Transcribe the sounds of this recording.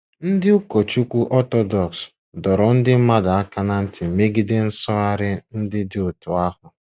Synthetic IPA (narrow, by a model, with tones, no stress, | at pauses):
n̩˦dɪ˦u˦ko˨t͡ʃu˦kʷu˦ʔɔ˦tɔ˦dɔ˨ks | dɔ˨ɾɔ˨n̩˦dɪ˦m̩˦ma˦da˨a˦ka˦na˦n̩˦tɪ˨me˦ɡi˦de˦n̩˦sɔ˦a˦ɾɪ˦n̩˦dɪ˦dɪ˦ʊ˨tʊ˨a˦hʊ˨